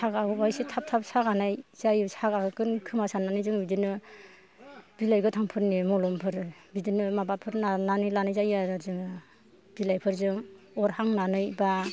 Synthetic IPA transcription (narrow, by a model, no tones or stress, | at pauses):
sʰaɡabajsetʰap̚tʰap̚saɡanajz̥ajɯsaɡaɯkɯnkʰɯmasananɯjzɯŋbidinɯ | b̥ilajɡɯtʰaŋpʰɯɾnimɔlɔmpʰɯɾbidinɯmabapʰɯɾnananɯjlanɯjzajaɾazɯŋɯ | b̥ilajpʰɯɾzɯm | ɔɾhaŋnanɯjba